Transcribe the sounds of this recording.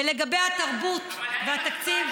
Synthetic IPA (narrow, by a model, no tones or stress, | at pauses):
eleɡabejhat̪aʁbut̪vehat̪akt͡siv